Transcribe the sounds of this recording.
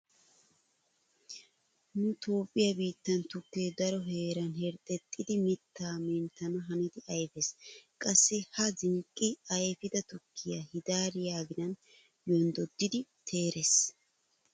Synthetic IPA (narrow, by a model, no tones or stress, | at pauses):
nʊt̪o̞ːpʼːɪjɐbiːt̪ːɐnt̪ʊkːeːd̪ɐɾɔɦe̞ːɾɐnhɛɾt̪ʼɛt̪ʼːɪd̪ɪmɪt̪ːaːmɛnt̪ːɐnɐɦɐnɪd̪ɪʔɐjfɛskʼɐsːɛhɐzɪŋkʼːɪɐjfɪd̪ɐt̪ʊkʰːɪjahɪd̪aːɾɪjaːɡɪnɐn | jɔnd̪ɔd̪ːɪd̪ɪt̪ʰe̞ːɾʔes